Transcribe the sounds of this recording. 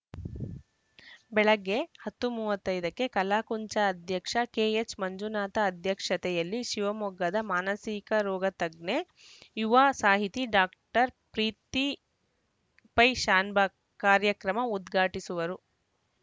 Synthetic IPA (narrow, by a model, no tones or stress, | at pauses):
bɛɭɐɡːehɐt̪ːumuːʋɐt̪ːɐjd̪ɐkːe̞kɐlaːkuɲt͡ʃɐːd̪ʱjɐkʂɐkeːet͡ʃmɐɲd͡ʒunaːt̪ɐːd̪ʱjɐkʂɐt̪ɛjɐlːiʃiʋɐmɔɡːɐd̪ɐmaːnɐsikɐɾɔːɡɐt̪ɐɡɳe | juʋasaːɦit̪iɖaːk̚ʈɐɾpɾiːt̪i | pɐjʃaːnbʱɐ | kaːɾjɐkɾɐmɐud̪ɡʱaːʈisuʋɐɾu